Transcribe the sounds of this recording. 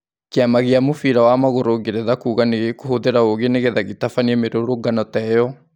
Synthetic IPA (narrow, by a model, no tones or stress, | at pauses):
keamaɣeamofiɾawamaɣoɾoɡeɾeðakuːɣaneɣekohoðeɾaoɣeneɣeðaɣetafaniɛmeɾoɾoɡanɔtɛjɔ